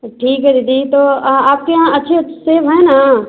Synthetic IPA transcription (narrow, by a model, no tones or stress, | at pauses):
ʈʰiːkɦɛɾid̪it̪oaːp̚keãɐtːʃʰeseːbɦɛ̃na